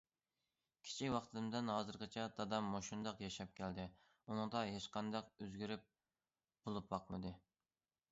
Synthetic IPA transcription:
kʲʰɪ̥t͡ʃʰikʲwɑχt̪ʰɨmd̪ɪnɦɑːzɨɾqɪt͡ʃʰɛd̪ɑd̪ɑmːoʃund̪ɑqjɛʃɑp̚kʲʰæld̪ɪ | unɨŋd̪ɑɦet͡ʃqɑnd̪ɑqøzɡʲyɾyp̚ | b̥olˠup̚bɑqmɨd̪ɨ

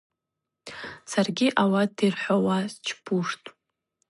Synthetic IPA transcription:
sʰarɡʲiʔawadirħʷawazt͡ʃʰpʰuʂtʼ

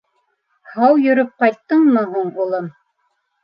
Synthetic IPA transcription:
hɑwjɵ̆ɾɵp̚qɑjt̪ːɤɴmɤɦuɴulˠɤm

